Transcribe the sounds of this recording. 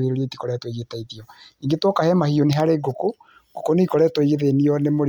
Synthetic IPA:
eɾoɾetikɔɾɛtwoiɣetaiðiɔiŋɡetwɔkahɛmahioneɦaɾeɡoko | ɡ̥okoneikɔɾɛtɔiɣeðeniɔnemoɾ

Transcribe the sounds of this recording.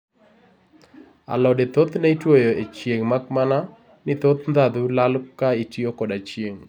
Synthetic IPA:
a̰lɔdet̪ot̪naitwojoet͡ʃjeŋmakmana | nɪt̪ot̪nd̪ad̪ulalkaitjokɔdat͡ʃjeŋ

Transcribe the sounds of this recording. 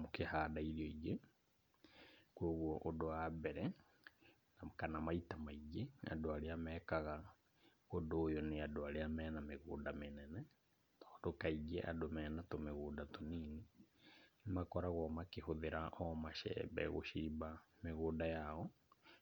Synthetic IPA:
mokehaːdaiɾioiɡe | kwoːɣwɔʔodoabɛɾɛ | nakanamaitamaiɡea̰doaɾeamɛkaɣa | odoːjɔneadoaɾeamɛːnameɣoːdamenɛnɛ | tɔːdokaiɡeʔa̰domɛːnatomeɣuːdatoniːni | makɔɾaɣɔmakehoðeɾaʔɔmaʃɛ̰bɛ̰ɣo̰ʃiːbameɣoːdajaɔ

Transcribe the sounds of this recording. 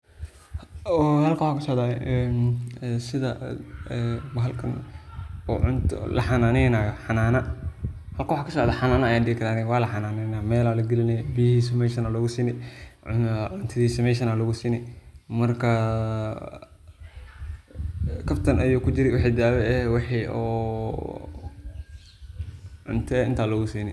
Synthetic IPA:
ɔhɐlkʰɐwħaːkʰɐsɔʔðaːjɛ | sɪðɐ | bɐɦɐlkʰɐn | ṵʕʊnt̪ʰlʔɐħɑnaːnɛjnaːjɔħɑnaːnɐ | hɐlkɐwʊħaːkʰɐsɔːʔðaːħɑnaːnɐɐjaːnɖɪɣɪkʰɐɾaːnɛwaːlɐħɑnaːnɛnamɛːlaːlɐɡɛlɪnɛjbijhiːsmɛʃɐnaːlɔɣʊsiːnɛ | ʕʊnt̪ʰɐðiːsɐmɛʃ̬ɐnaːlɔɣʊsiːnɛmɐrkʰɐ | kʰɐbt̪ʰɐnʔɐjɔkʰʊd͡ʒɪɾɛwɑħeːd̪aːwɛɛwɑħiːɔ̰ | ʕʊ̰nt̪ʰɛɪnt̪ʰaːlɔɣʊsiːnɛ

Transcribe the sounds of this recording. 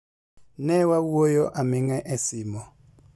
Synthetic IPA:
nɛwawuojɔʔamiŋɛʔɛsiːmɔ

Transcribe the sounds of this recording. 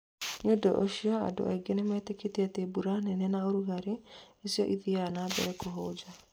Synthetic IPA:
ɲodɔ̰ʔoʃiɔa̰do̰ʔa̰iɡenemɛteketeatebuɾanɛnɛnaoɾuɣaɾeesiɔ̰ʔiðianabɛ̰ɾɛkoɦod͡ʒa

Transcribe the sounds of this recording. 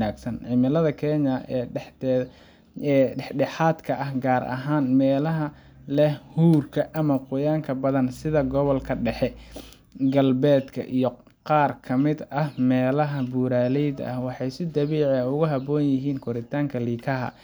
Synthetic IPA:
naːɡsɐnʕɪmɪlɐðɐkʰɛːɲɐɛ | ɛħɖɛħaːd̪kʰɐʔɐhɡaːɾʔɐ̰ɦaːnmɛːlɐɦɐ | lɛhhuːrkʰɐʔɐmɐqʊjaːŋkʰɐbɐðɐnsɪðɐɡɔβɔlkʰɐɖɛħɛ | ɡɐlbɛːd̪kʰɐ̰ʔijɔ | qɑːrkʰɐmɪd̪ɐhmɛːlɐɦɐbuːɾaːlɛjd̪ɐ̰hwɑħɑjsɪd̪ɐβiːʕɐʊɣʊɦɐbɔːnjɪɦiːnkʰɔɾɪt̪ʰaːŋkʰɐliːkʰɐɦɐ̰

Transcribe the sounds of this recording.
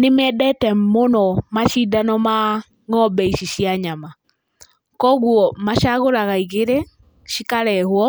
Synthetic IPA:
nemɛdɛtɛmonɔmaʃidanɔma | ŋɔbɛiʃiʃiaɲama | kɔɣuɔmaʃaɣoɾaɣaiɣeɾɛ | ʃikaɾɛhwɔ

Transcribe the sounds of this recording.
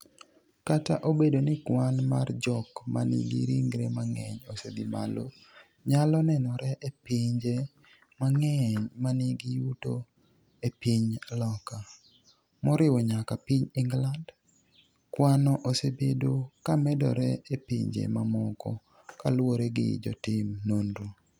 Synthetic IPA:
kataʔobedonɪkwanmard͡ʒɔkmanḭɡḭɾiŋɡɾemaŋɛɲosed̪ima̰lo̰ | ɲalɔnɛnɔɾɛʔepiɲd͡ʒe | maŋɛɲmaniɡijuto | epiɲlɔka | mɔɾɪwɔɲakapiɲɪŋɡland | kwanɔʔosebedokamɛdɔ̰ɾɛepḭɲd͡ʒḛmamɔkɔ̰ | kalwoɾeɡɪ̰d͡ʒɔ̰tɪmnondo

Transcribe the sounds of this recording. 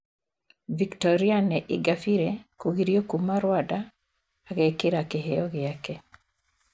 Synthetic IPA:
viktɔɾianɛʔɪɡafiɾekuɣiɾiokumaɾwadaː | ɣekɪɾakeɦɛɔɣɪakɛ

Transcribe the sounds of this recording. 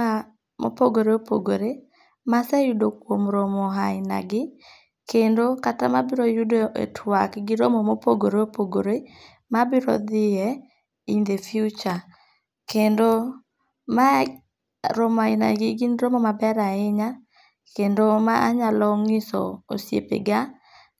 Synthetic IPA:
a | mo̰poɡoɾeopo̰ɡoɾe | masɛjʊdokwomɾomɔɦaɪna̰ɡɪ | kendokatamabɪɾojʊdoʔḛtʰwakɡɪɾomomopoɡoɾeopoɡoɾe | mabɪɾɔ̰d̪ɪɛ | ind̪efjut͡ʃa | kendo | ma | ɾomaɪna̰ɡɪɡinɾomomabɛɾaɪɲa | kendomaʔaɲalɔŋɪsɔ̰o̰sjḛpḛɡa

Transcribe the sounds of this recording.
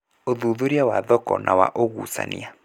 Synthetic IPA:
oðuðuɾjawaðɔkɔ̰nʔawa̰ʔoɣusa̰nḭa

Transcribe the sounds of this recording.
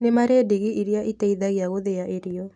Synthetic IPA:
nemaɾeːdiɣiʔiɾiaʔitaiðaɣiaɣoðeaʔeɾiɔ

